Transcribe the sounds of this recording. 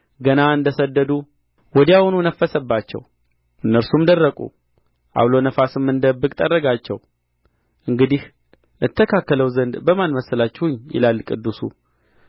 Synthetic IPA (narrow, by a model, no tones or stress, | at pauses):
ɡənaɨnd̪əsəd̪ːəd̪u | wɔd̪iawnunəfːəsəbːat͡ʃːɛ̰w | ɨnːəɾsumd̪ərːəkʼṵ | ʔa̰wlo̞nəfasɨmːɨnd̪əbːɨkʼt̪ʼərːəɡat͡ʃːɛw | ʔɨŋɡɨd̪ih | ʔɨt̪ʰːəkʰakːələwzənd̪bəmanməsəlat͡ʃːɛhuɲːjɪ̰lalːkʼɨd̪ːusṵ